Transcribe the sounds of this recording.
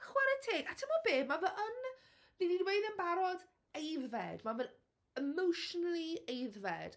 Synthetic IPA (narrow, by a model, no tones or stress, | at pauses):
χwɛɾətʰɪɡatʰɪmɔbeːmavɛən | nɪnidwejðənbaɾɔd | ejðvɛdmavɛl | əmowʃɔnəlˠiejðvɛ̰d̥